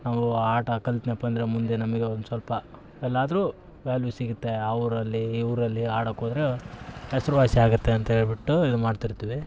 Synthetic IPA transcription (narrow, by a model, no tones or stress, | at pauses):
naːʋuaːʈɐkɐlt̪nepɐnd̪iɾemund̪e̞nɐmɐɡe̞ond̪usʋɐlpɐ | ɛlːaːd̪ɐɾuː | ʋaːlʋisiɡut̪ːeɐʋɾɐlːiːʋuɾɐlːiaːɽɐkːoːd̪ɐɾeɦɛsɐɾuʋaːsiaːɡut̪ːe̞ɐnt̪ɐɦeːɭbiʈːuid̪umaːɖt̪iɾt̪iːʋi